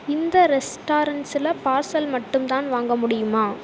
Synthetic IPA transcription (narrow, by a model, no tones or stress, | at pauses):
ɪnd̪ɐɾɛsʈaːɾɐɳʈsɪlɐpaːɾsɐlmɐʈːɯmt̪aːnʋaːŋɡɐmʊɽɪjɯmaː